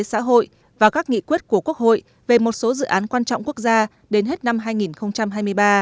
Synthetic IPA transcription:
sa̰ː˧˥ɦo̰˧˨j | vaː˨˩kaː˦˥k̚ŋḭ˧˨kwi˦˥t̚ku˧˩əku˦˥ək̚ho̰˧˨j | ve˨˩mo˨˩t̚so˨˦zɨ̰˧˨ʔaː˨˦nkwaː˧nt͡ɕɔ̰˧˨wŋ͡mku˦˥ək̚zaː˧ | ɗe˨˦nɦe˦˥t̚na˧mɦaː˧jŋi˨˩nxə˧wŋ͡mt͡ɕa˧mɦaː˧jmɨ˧əjɓaː˧

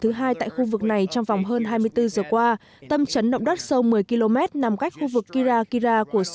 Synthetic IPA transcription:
t̪ʰɨ˨˦ɦaː˧jt̪a̰ː˧˨jxu˧vɨ˨˩k̚na˨˩jt͡ɕɔ˧ŋ͡mva˨˩wŋ͡mɦəː˧nɦaː˧jmɨ˧əjt̪ɨ˧zəː˨˩kwaː˧ | t̪ə˧mt͡ɕə˨˦nɗə̰˧˨wŋ͡mɗə˦˥t̚sə˧wmɨ˨˩əjki˧lo˧mɛ˦˥t̚na˨˩mka˦˥k̟̚xu˧vɨ˨˩kːi˧zaː˧ki˧zaː˧ku˧˩əs

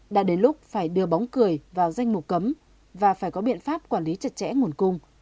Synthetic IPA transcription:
ɗa̰ː˧˥ɗe˨˦nlʊ˦˥k͡p̚faː˧˩jɗɨ˧əɓaɔ˨˦wŋ͡mkɨ˨˩əjvaː˨˩wza˧jŋ̟mʊ˨˩k͡p̚kə˨˦m | vaː˨˩faː˧˩jkɔ˨˦ɓḭ˧˨ənfaː˦˥p̚kwaː˧˩nli˨˦t͡ɕə˨˧˩t̚t͡ɕɛ̰˧˥ŋu˨˩ənkʊ˧ŋ͡m

